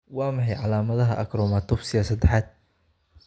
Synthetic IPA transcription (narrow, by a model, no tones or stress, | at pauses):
wɑːmɑħɑjʕɑlaːmɐðɐɦɐʔɐkɾɔːmat̪ʰɔbsɪjasɐd̪ɛħaːd̪̚